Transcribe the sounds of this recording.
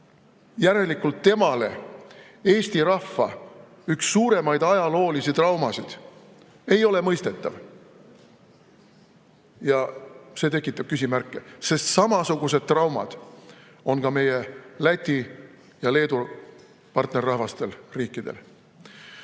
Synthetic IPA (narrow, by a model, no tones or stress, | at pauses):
jæɾe̞likːult̪ːe̞mɑle̞̰ | e̞ːst̪iɾɑhfːɑ | yksːuːɾe̞mɑjd̪̥ɑjɑlo̞ːlisit̪rɑwmɑsid̪̥ | e̞jo̞le̞mɤjst̪e̞t̪ːˑɑ̰v | jɑse̞t̪e̞kːˑit̪ːˑɑb̥̚kysʲimærkːˑe̞se̞st̪sɑmɑsuɡ̥use̞d̪̥̚t̪ːrɑwmɑ̰d̪̥ | o̞nkɑme̞jelæt̪ʲːi | jɑle̞ːd̪u | pɑrt̪ne̞rːɑhvɑst̪e̞lriːkːˑid̪̥e̞̰l